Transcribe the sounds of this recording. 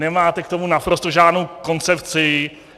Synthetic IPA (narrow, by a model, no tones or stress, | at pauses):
nɛmaːt̪ɛk̚t̪o̞munapɾo̞st̪oʒaːdnowko̞nt͡sɛpt͡sɪ